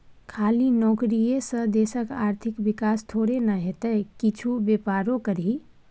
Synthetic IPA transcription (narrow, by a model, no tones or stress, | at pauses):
kʰaːlinɔːkɾiesəɦd̪eːsəkaːɾt̪ʰɪkʋɪkaːst̪ʰoːɾenəɦet̪ekɪt͡ʃʰubeːpaːɾõkəɾi